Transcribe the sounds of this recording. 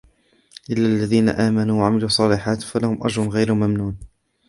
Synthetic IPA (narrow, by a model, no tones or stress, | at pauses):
ʔɪlːaːʔlːaðiːna̰ʔaːmanuːwaʕamɪluːsˤːɑːlɪħaːt̪falahʊmʔa̰d͡ʒɾˤʊnɣajɾʊmamnuːn